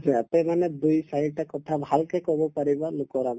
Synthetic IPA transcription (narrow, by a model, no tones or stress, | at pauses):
d͡ʒiat̪ɛmanɛd̪ujsajɖ̚ʈakɔt̪ʰabʱalkɛkɔbɔpaɹibalʊkɔɾab